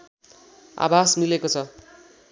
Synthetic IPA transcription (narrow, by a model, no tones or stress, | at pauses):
a̰basmilekot͡sʰʌ